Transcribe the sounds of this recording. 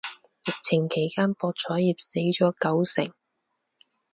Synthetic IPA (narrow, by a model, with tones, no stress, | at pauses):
jɪ˨k̚t͡sʰɪ˨˩ŋkʰe˨˩jkaː˥npɔː˧t̚t͡sʰɔː˨˥jiː˨p̚se˨˥jt͡sɔː˨˥kɐ˨˥wsɪ̰˨˩ŋ